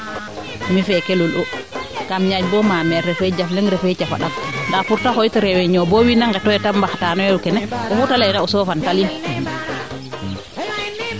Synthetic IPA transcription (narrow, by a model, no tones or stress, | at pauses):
mifɛkɛlulɔkamɲad͡ʒbɔmamɛɾɾɛfɛd͡ʒaflɛŋɾɛfɛt͡ʃafa̰ɗakndapuɾtahojtɔɾɛwɛɲɔbɔwinaŋɡatɔɛtambaxtanɔwɛukɛnɛʔɔfutalainaɔsɔfantali